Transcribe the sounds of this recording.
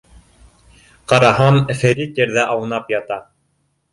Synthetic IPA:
qɑɾɑɦɑnfæ̆ɾit̪jɘ̆ɾðæʔɑwɤ̆nɑpjɑt̪ɑ

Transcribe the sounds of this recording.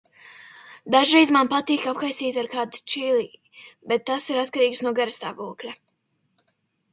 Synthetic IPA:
d̪aʒɾejzmanpat̪iːkapxajsiːt̪ʲaɾkaːd̪ut͡ʃilˠiː | bet̪ːasiɾat̪kaɾiːksnuɔɡaɾst̪a̰ːvuɔklʲa

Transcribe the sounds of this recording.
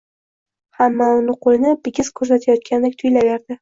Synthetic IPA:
hamːaʊnʊqʰʊlnɪbɪɡʲɪz̥kʰɵɾsat̪ʰajɒt̪̚kʲʰand̪ak̚ʲt̪ʰʊjlaveɾd̪ɪ

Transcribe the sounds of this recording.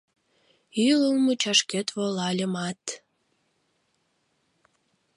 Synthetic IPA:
yləlmut͡ɕɑʃket̪βolɑlʲəmɑt̪

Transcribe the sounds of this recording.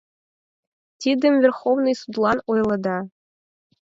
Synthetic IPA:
t̪ʲid̪ʲɘ̆mvʲĕrχovnɨjsud̪lˠɑnujlˠɤ̆d̪ɑ

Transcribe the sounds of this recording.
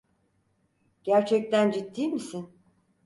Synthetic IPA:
ɟ̥æɾt͡ʃʰɛc̚t̪ʰænd͡ʒit̪ʰːiːmisin

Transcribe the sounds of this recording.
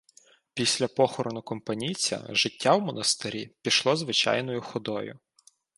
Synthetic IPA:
pʲisʲlʲɐpɔxɔɾɔnʊkɔmpɐnʲit͡sʲɐ̰ʒɪtʲːawmɔnɐst̪ɪɾʲipʲiʃlˠɔzʋɪt͡ʃɑ̰jnɔjʊxɔd̪ɔjʊ̰

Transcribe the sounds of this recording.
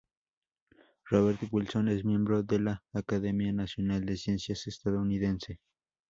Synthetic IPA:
roβeɾt̪oβulsones̬mje̞mbɾoðelaːkaðemjanasjonald̪esjensjasest̪aðouniðense

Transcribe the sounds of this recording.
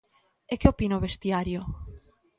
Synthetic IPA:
ekeopinaoβest̪jaɾjʊ

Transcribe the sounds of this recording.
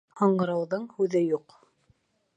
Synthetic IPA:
hoɴɢɤ̆ɾɤ̆wðɤɴhʉðɘjuq

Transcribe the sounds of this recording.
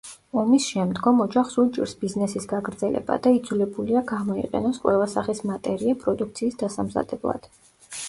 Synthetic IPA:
ɔmisʃɛmd̪ɡɔmɔd͡ʒaχsut͡ʃʼḭɾsbiznɛsisɡaɡɾd̪zɛlɛ̰ba̰d̪aid̪zulɛbuliaɡamɔḭqʼɛ̰nɔsqʼwɛlasaχismat̪ʼɛɾiapʼɾɔd̪uk̚ʰt̪sʰiːsd̪asamza̰d̪̥ɛblˠa̰d̪̥

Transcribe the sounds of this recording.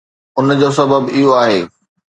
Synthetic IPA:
ʊnd͡ʑoːs̬ɐbəbɪɦoaːɦeː

